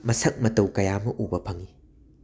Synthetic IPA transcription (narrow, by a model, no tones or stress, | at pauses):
mɐsɐk̚mɐtɐwkɐjamɐʔubɐpʰɐŋi